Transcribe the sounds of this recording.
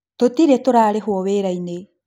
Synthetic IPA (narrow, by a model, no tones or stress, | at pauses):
totiɾetoɾaːɾeɦwɔweːɾaine